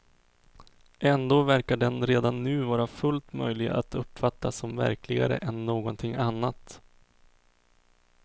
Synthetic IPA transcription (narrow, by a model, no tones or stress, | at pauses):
ʔɛnd̪oːvæɾkaɖɛnɾeːd̪anːʉ̟ːvɑːɾafɵlt̪mœ̰jlɪɡaa̰t̪ɵpːfat̪ːasɔmvæ̰ɾklɪɡa̰ɾə̰ʔɛnːoːɡɔnt̪ʰɪŋːʔanːat̪